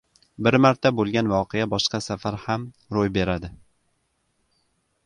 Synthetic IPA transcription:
bɪɾmaɾt̪ʰabolˠɡʲanvɒqʰejabɒʃqɑsafaɾham | ɾojbe̞ɾad̪ɪ

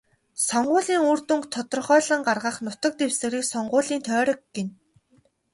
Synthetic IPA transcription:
sɔɴɢʊːɮiːŋuːr̥t̪uŋkt̪ʰɔt̪ɞ̆rχœːɮə̆ɴɢarʁə̆χnʊt̪ɞ̆k̚t̪ewsɘ̆ɾiːksɔɴɢʊːɮiːnt̪ʰœːɾɞ̆kɡen

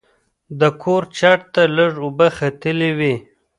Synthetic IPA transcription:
d̪əkʰoɾt͡ʃaʈ̚t̪aləʐʊbaxat̪əlewi

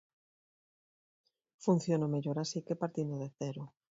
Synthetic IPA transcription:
fun̟θjonomeʎoɾasikepaɾt̪ind̪oðeθɛɾʊ

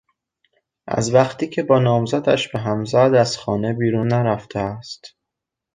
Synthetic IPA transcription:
ʔæ̰zvæχt̪ʰiːcʰe̞bɒːnɒːmzæd̪æ̰ʃb̥e̞ɦæmzæd̪æz̥xɒːne̞biːɾuːnːæɾæft̪ʰeæst̪

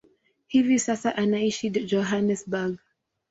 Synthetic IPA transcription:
hivisasaʔanaiʃid͡ʒɔɦanɛsbaɡ

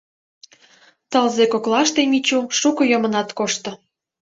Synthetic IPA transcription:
t̪əlzekoklɑʃt̪emit͡ɕuʃukɤjəmə̆nɑt̪koʃt̪ɤ̆

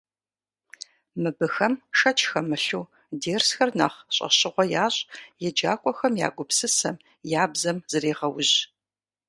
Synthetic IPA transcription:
mɨbɨxɐmʃɐt͡ʃʰʼxɐmɨɬuː | deːrsxɐrna̰ːχɕʼɐ̰ɕʼɪʁʷɔjaːɕʼjɛd͡ʒaːkʷʼɔxɐmja̰ːɡʷʊpsɨsɐm | jaːbzɐmz̥ɨreːʁɐwʊʑ

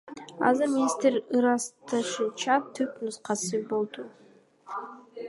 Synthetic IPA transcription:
ɑ̰zɯɾmʲinʲist̪eɾɯɾɑst̪ɑʃɯt͡ʃʰɑt̪ʰːypnusqɑsɯbo̞lˠd̪u

